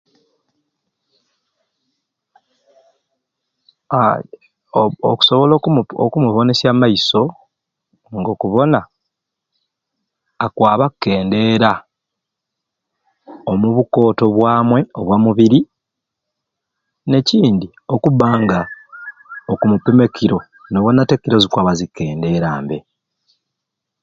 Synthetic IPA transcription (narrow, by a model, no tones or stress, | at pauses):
o̰ku̥so̞βo̞loo̰kumuβo̞ne̞sjamaiso̞ | ŋɡo̞kuβo̞na | kwaːβakːe̞ːnde̞ɾa | omuβuko̞ːto̞βwaːmwe̞o̞βwamuβiɾi | ne̞ciːndi | o̞kuβaːŋɡa | okumupeme̞kiɾo̞ | noβo̞nate̞kːiɾo̞zikwaβazikːe̞ːnde̞ɾaːmbe̞